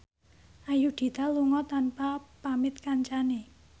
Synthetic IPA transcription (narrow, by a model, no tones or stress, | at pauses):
ʔajud̪̥i̤t̪aluŋɔt̪anpapamɪt̪̚kaɲt͡ʃane